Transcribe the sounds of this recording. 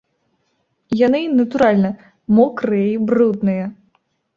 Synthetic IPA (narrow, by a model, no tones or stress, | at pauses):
janɨnɐt̪uɾalʲnɐ | mɔkɾɨjɐibrud̪nɨjɐ